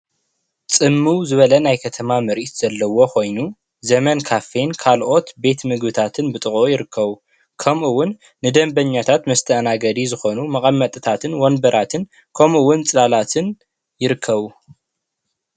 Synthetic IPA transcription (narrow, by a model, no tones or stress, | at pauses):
t͡sʼɨmːuwzɨβɐlɐnajkʰɐt̪ʰɐmamɐɾit̪z̥ɐlːɐwo̞kʰo̞jnu | zɐmɐnkʰafe̞nkʰalʔo̞t̪be̞t̪mɨɡbɨt̪ʰat̪ʰɨnbɨt̪ʼɨχʼojɪɾɨkʰːɐβu | kʰɐmʔuwːʊnː | ɨd̪ɐmbɐɲːat̪ʰat̪mɐst̪ʰɐʔnaɡɐd̪izɨxo̞numɐχʼɐmːɐt̪ʼɨt̪ʰat̪ʰɨnwonbɐɾat̪ʰɨn | kʰɐmʔuwːʊnt͡sʼɨlalat̪ʰɨn | jɪɾɨkʰːɐβu